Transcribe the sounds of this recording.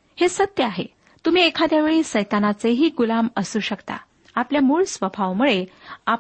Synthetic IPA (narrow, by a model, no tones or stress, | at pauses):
hesət̪jəaɦḛ | t̪um̤iːekʰad̪jaʋeɭiːsəjt̪anat͡seɦiːɡulaməsuːɕəkt̪a̰ | apljamuːɭsʋəbʱaʋmuɭea